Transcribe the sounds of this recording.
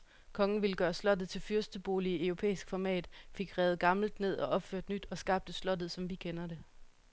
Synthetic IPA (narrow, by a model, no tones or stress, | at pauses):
kʰɒ̽ŋn̩ʋiləɡ̥ɶːɐslɒ̽d̥ð̞̩ˠt͡sʰe̝lfyɐsd̥əb̥o̝ːliœʊʁo̝pʰḛːisɡ̥fɒmɛ̰ːd̥fe̝ɡ̥ʁɛːð̞̩ˠɡ̥ɑ̈ml̩d̥ne̝ð̞̰ˠɒ̽ʔɒ̽b̥føɐ̰d̥nyd̥ɒ̽sɡ̥ɑ̈b̥̚d̥əslɒ̽d̥ð̞̩ˠsɒ̽mʋikʰenɐɾe̝